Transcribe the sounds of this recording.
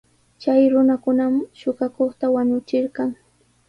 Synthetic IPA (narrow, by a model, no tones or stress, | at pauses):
t͡ʃajɾʊnakʊnamʃʊɢɑkoχt̪awaɲʊt͡ʃɪɾɢɑŋ